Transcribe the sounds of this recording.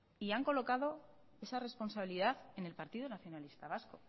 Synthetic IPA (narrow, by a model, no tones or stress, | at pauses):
iaŋko̞lo̞kað̞o̞ | e̞sare̞spo̞nsaβiliðaθe̞ne̞lpaɾt̪iðonaθjo̞nalist̪aβ̞asko̞